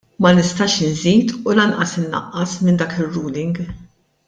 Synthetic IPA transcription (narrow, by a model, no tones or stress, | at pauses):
mɐnɪst̪ɐːʃɪnziːt̪ulɐnʔɐsɪnːɐ̰ʔːɐsmɪnd̪ɐːkɪrːuːlɪŋɡ